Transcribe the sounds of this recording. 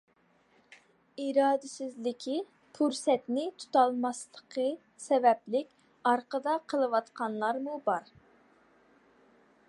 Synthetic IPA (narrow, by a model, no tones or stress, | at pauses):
iɾɑːd̪ɪsɪzlɪkʲʰi | pʰuɾsɛt̪nɪt̪ʰu̥t̪ɑlˠmɑslˠəqʰə | sɛvɛplɪkʲ | ɑɾqəd̪ɑqʰəlˠəwɑt̪qʰɑnlˠɑɾmubɑɾ